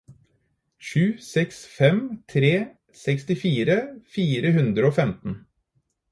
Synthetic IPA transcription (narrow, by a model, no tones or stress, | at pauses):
ʃʉːsɛksfɛmt̪ʰɾeː | sɛkst̪ɪfiːɾəfiːɾəɦʉnd̪ɾəoːfɛmt̪n̩